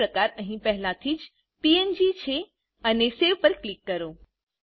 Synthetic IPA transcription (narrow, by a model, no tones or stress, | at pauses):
ɾɐkaːɾɐ̃ɦĩpɛɦɪlat̪ʰid͡ʒ | piend͡ʒit͡ʃʰe | ɐneseʋpɐɾklɪkːɐɾoː